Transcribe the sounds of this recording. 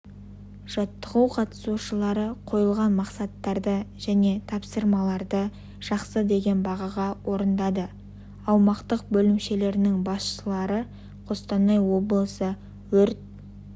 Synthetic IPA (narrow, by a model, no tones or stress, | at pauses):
ʒ̥ɑt̪ːəʁəwqʰɑt̪ə̥suʃəlˠɑɾəqʰo̞jəlˠʁɑnmɑqsɑt̪ːɑɾd̪əʒæne̞t̪ʰɑpsəɾmɑlˠɑɾd̪ə | ʒ̥ɑqsəd̪e̞ɡʲe̞nbɑʁɑʁɑwʔo̞ɾənd̪ɑd̪ə | ɑwmɑqt̪əqbɵlɪmʃe̞le̞ɾɪnɪŋbɑsʃəlˠɑɾə | qʰost̪ɑnːɑjwo̞blˠəsə | wɵɾt̪̚